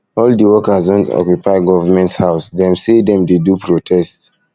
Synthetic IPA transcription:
ɔldiwɔkazɔ̃nɔ̰kjupaɪɡɔvamɛ̃nthaʊsdɛ̃msedɛ̃mdedupɹotʰɛsts

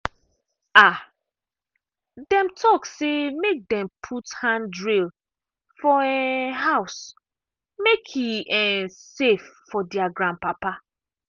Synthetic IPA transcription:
a | dɛ̃mtʰɔksemek̚dɛ̃mpʰuthãndɹil | fɔɛɦaʊs | mekʰiɛsefːɔdɛaɡɾãnpapa

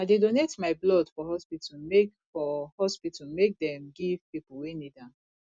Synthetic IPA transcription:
aɪdedonetmaɪblɔdfɔhɔspitʰɔmek | fɔhɔspitɔmek̚dɛ̃mɡiv̥pipuwenidã

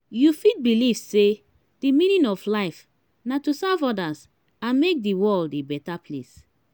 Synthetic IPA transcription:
jufit̚bilivse | d̥imĩnĩnɔflaɪf | natusavɔdas | ãnmek̚diwɔlibɛtapʰlḛs

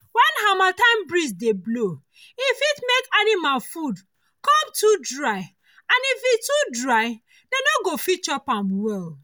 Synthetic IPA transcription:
wɛnɦamatãɪ̃mbɹisdeblo | ifitmekanimalfud | kɔmtudɹaɪ | ãnifitudɹaɪ | denoɡofit͡ʃɔpamwɛl

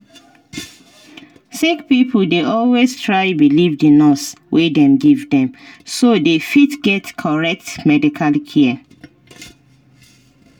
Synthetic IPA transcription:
sikpipʰl̩deʔɔlwestʰɹaɪbilivdinɔs | wʔedɛ̃mɡivdɛ̃msodefitɡɛtkʰɔɹɛk̚tmɛdikʰalkʰɛɛ

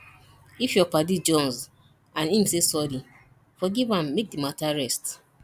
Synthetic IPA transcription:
ifjɔpadid͡ʒɔ̃nz | ãnĩmsesɔli | fɔɡivãmːek̚dimataɹɛst

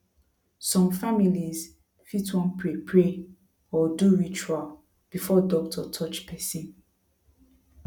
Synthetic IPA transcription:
sɔ̃mfamiliz | fitwɔ̃npɹepʰɹe | ɔduɹit͡ʃual | b̥ifɔdɔk̚tʰɔtʰɔt͡ʃpʰɛsĩn

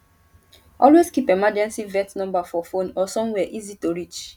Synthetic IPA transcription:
ɔlwezkipemad͡ʒɛ̃nsivɛtnɔ̃mbafɔfonɔsɔ̃mwɛʔizitoɾit͡ʃ

